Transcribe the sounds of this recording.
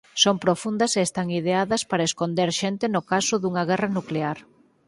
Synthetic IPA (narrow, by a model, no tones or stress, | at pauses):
sompɾofund̪ɐseːst̪aŋiðeaðɐspaɾɐeskond̪eɾʃent̪ɪnʊkasʊðuŋɐɣɛrɐnukleaɾ